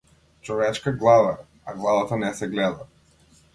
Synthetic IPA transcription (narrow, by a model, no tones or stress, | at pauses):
t͡ʃɔvɛt͡ʃkaɡlˠava | aɡlˠavat̪anɛsɛɡlɛd̪a